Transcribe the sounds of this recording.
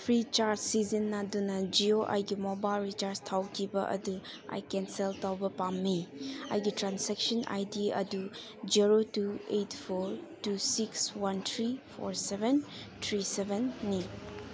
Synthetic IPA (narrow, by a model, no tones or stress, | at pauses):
pʰɾit͡ʃaɾssizinːɐdunɐd͡ʒioʔa̰jɡimobajlɾit͡ʃaɾstʰawkʰibɐ̰ʔɐ̰du | a̰jkenseltawbɐpamːia̰jɡitɾansek̚sɐnʔa̰jdiɐ̰du | d͡ʒiɾotuejtʰpʰoɾtusikswantʰɾipʰo̰ɾsebentʰɾisebenːi